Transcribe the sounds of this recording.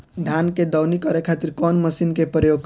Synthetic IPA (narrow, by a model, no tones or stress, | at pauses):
d̪ʱjanked̪ɔwnikɔɾekʰat̪iɾkɔnməsinkepɾəjoɡ̚k